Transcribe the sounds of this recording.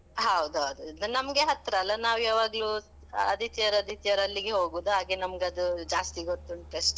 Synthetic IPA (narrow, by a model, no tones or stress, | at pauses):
ɦɐwd̪uɦɐwd̪unɐmɐɡe̞ɦɐt̪ɾɐːlːɐnaːʋjɐːʋaːɡ | ɐd̪ʱit̪ijɐɾɐd̪ʱit̪ijɐɾɐlːiɡe̞ɦoːɡuːd̪uɦaːɡenɐmɡɐd̪ud͡ʒaːst̪iɡot̪ːuiɳʈɾesʈ